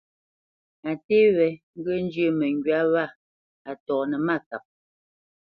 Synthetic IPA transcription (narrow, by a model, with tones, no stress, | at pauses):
a˨te˦wɛ˨˦ŋ̩˦ɡə˦n˦d͡ʒjə˦mɛ˨ŋ˨ɡɥa˨˦βa˦˨ | a˨tɔː˨nɛ˨ma˦˨ka˨p̚